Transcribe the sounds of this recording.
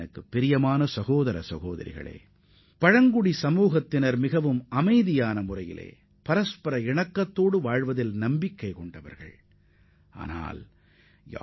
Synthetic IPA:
ɐkːɯpːɪɾɪjɐmaːnɐsɐɣoːðɐɾɐ̰sɐɣoːðɐ̰ɾɪ̰ɣɐ̰ɭḛː | pɐɻɐŋɡʊɽisɐmuːɣɐt̪ːɪnɐɾmɪɣɐʋɯmɐmɐɪðɪjaːnɐmʊrɐjɪ̰lḛː | pɐɾɐspɐɾɐɪɳɐkːɐt̪ːoːɽɯʋaːɻʋɐðɪlnɐmbɪkːɐɪkɔɳɖɐʋɐ̰ɾɣɐ̰ɭ | ʔa̰ːna̰ːl | ja̰

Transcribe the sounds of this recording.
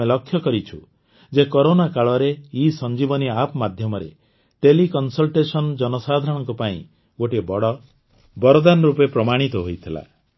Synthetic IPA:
elɔkʰːjɔkɔɾit͡ʃʰu | d͡ʒekɔɾonakaɭɔɾeisɔnd͡ʒibɔniapɔmad̪ʱjɔmɔɾḛ | ʈelikɔnsɔlʈesɔnd͡ʒɔnɔsad̪ʱɾɔɽ̃ɔŋkupaḭ̃ | ɡoʈibɔɽɔ | bɔɾɔd̪anɾupepɾɔmaɽ̃it̪ɔɦojt̪ʰila̰

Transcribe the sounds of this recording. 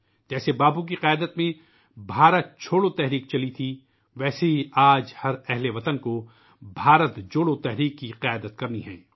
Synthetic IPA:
d͡ʒɛːsebaːbuk̬iqjaːd̪ət̪mẽ | bʱaːɾət̪̚t͡ʃʰoːɽot̪ɛɦɾiːq̚t͡ʃɐlit̪ʰi | ʋɛːseɦiiaːd͡ʒhɐɾɛɦleʋɐt̪ənko | bʱaːɾət̪d͡ʒoːɽot̪ɛɦɾiːqːiqɪjaːd̪ət̪̚kɐɾniɦɛ̰̃ː

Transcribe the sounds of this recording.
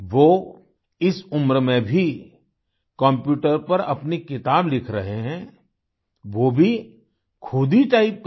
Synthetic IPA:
ʋoː | ɪsʊmɾmẽbʱi | kɔ̃mpjuːʈəɾpɐɾɐ̰pnikɪt̪aːblɪkʰɾɐɦeɦɛ̃ | ʋoːbʱi | kʰʊd̪iʈaːɪp̚k

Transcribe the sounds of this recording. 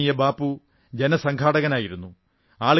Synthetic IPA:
ijɐbaːpːu | d͡ʑe̞nɐsɐŋkʰaːɽɐɣɐnaːjiɾunːu | aːɭ

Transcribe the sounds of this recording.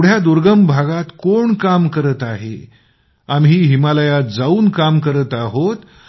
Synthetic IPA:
ɽ̤jad̪uɾɡəmbʱaɡat̪koɳkamkəɾət̪aɦḛ | amɦiːɦimaləjat̪̚d͡zauːnkamkəɾət̪aɦot̪

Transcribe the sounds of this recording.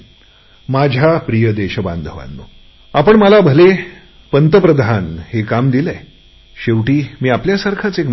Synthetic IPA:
mad͡ʑʱapɾijəd̪eɕəba̰nd̪ʱəʋa̰nːo̰ | apəɳməlabʱəle | pənt̪əpɾəd̪ʱanhekamd̪ile | ɕeʋʈiːmiːapljasaɾkʰat͡sek

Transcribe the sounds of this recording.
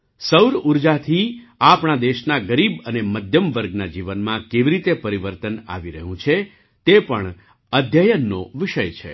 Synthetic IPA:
səwɾuɾd͡ʒat̪ʰiapɳad̪eʃnaɡəɾibəneməd̪ʱjəmʋəɾɡnad͡ʒiʋənmãkeʋiɾit̪epəɾiʋəɾt̪əna̰ʋiɾəɦũt͡ʃʰe | t̪epəɳ | əd̪ʱjəjənːoʋiʃəjt͡ʃʰḛ

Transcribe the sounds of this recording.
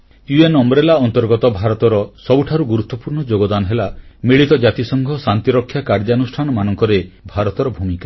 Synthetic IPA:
juenɔmɾelaɔnt̪ɔɾɡɔt̪ɔbʱaɾɔt̪ɔɾɔsɔbuʈʰaɾuɡuɾut̪ːɔpuɾɳɔd͡ʒoɡɔd̪anɔɦelamiɭit̪ɔd͡ʒat̪isɔŋɡʱɔsant̪iɾɔkʰːjakaɾd͡ʒanusʈʰanɔmanɔŋkɔɾebʱaɾɔt̪ɔɾɔbʱumika

